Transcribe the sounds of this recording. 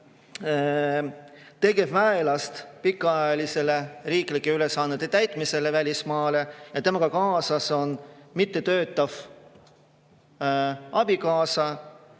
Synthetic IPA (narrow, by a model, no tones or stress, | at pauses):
t̪e̞ɡ̥e̞vvæelɑst̪pikːˑɑjɑlise̞le̞riːklikːˑeylesːɑːnːet̪ːet̪æjt̪ˑmise̞le̞vælʲismɑːle̞jɑt̪emɑɡ̥ɑkɑːsɑso̞nmit̪ːe̞t̪ø̞ːt̪ːˑɑv̥ | ʔɑb̥ikɑːsɑ